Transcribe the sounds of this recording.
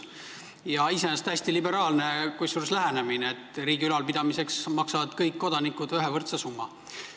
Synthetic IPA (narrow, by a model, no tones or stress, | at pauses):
jɑisenest̪æsʲt̪ilibe̞ɾɑːlnekujsuːɾslæɦæne̞mineet̪ːˑriːɡ̥iylɑlpid̪̥ɑmise̞ksmɑksɑvɑd̪̥kɤjkːo̞d̪ɑnikːˑud̪yɦevɤrt̪sesumːɑ